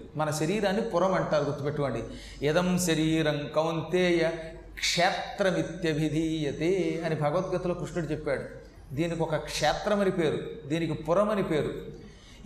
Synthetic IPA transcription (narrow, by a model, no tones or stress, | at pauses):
mɐnɐʃɐɾiːɾaːnːipuɾɐmɐɳʈaːɾuɡuɾt̪ːupeʈːuʋɐɳɖi | id̪ɐmʃɐɾiːɾɐŋkɐwnt̪eːjɐ | kʂɛːt̪ɾɐmit̪jɐbʱid̪ʱiːjɐt̪eːɐnibʱɐɡɐʋɐt̪̚ɡɐt̪uloːkɾuʂɳuɽut͡ʃɛpːaːɽu | d̪iːnikɔkɐkʂɛːt̪ɾɐmɐnipe̞ːɾud̪iːnikipuɾɐmɐnipe̞ːɾu